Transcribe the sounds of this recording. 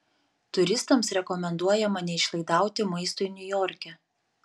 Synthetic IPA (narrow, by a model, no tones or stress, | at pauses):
t̪ʊɾʲɪst̪ɐmsɾʲɛkɔmʲɛnd̪uɔjɛmɐnʲɛɪʃlˠɐɪd̪ɑˑʊt̪ʲɪmɐɪst̪uːinʲʊjɔːɾʲkʲɛ